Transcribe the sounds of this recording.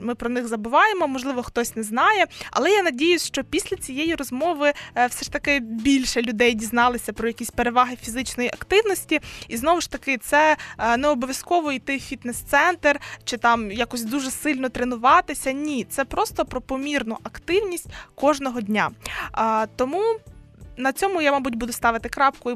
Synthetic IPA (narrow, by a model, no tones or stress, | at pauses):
mɪpɾɔnɪxzɐbʊʋɑjemɔmɔʒlˠɪʋɔxt̪ɔsʲnɛznɑjɛɐ̰lˠɛjanɐdʲijʊsʲʃt͡ʃɔpʲisʲlʲɐt͡sʲijejiɾɔzmɔʋɪwsɛʃt̪ɐkɪbʲilʲʃɛlʲʊd̪ɛjdʲiznɑlˠɪsʲɐpɾɔjɐkʲisʲpeɾeʋɑɦɪfʲizɪt͡ʃnɔjiʔɐkt̪ɪwnɔsʲtʲiiznɔʋɪʃt̪ɐkɪt̪sɛneɛɔbɔʋʲjɐskɔʋɔijt̪ɪfʲit̪nɛst̪sɛnt̪ert͡ʃɪt̪ɑmjakɔsʲd̪uʒɛsɪlʲnɔt̪ɾenʊʋɑt̪ɪsʲɐnʲit̪sɛpɾɔst̪ɔpɾɔpɔmʲirnʊʔɐkt̪ɪwnʲisʲtʲkɔʒnɔɦɔdʲnʲa | t̪ɔmu | nɐt͡sʲɔmʊjamɑbutʲbud̪ʊst̪ɑʋɪt̪ɪkɾɑpkʊ